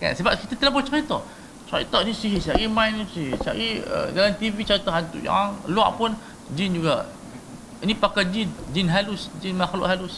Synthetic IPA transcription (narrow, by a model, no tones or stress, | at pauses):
ka̰nsəbap̚kit̪at̪əlabɔt͡ʃaɾit̪ɔ | t͡ʃaɾḭt̪ɔʔinisiɦisaɣimajnisiɦisa̰ɣiə̰dalamt̪ivit͡ʃaɾit̪ɔɦant̪ṵʔa̰aŋlua̰ʔpʊn | d͡ʒind͡ʒuɡa | inipakad͡ʒind͡ʒinɦalʊsd͡ʒinmaxlʊʔɦalʊs